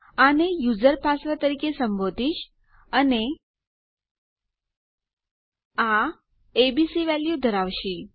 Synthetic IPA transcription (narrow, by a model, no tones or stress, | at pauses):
anejud͡ʒəɾpasʋat̪əɾikesəmbod̪ʱiʃ | əne | a | ebisiʋɛljud̪ʱəɾaʋʃi